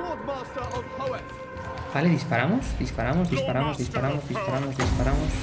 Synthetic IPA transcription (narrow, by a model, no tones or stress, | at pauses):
baleðispaɾamosd̪ispaɾamozðispaɾamozðispaɾamozðispaɾamozðispaɾamos